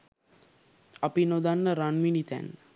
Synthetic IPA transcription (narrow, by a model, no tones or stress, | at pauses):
ɐpinod̪anːəɾanminit̪æ̰nː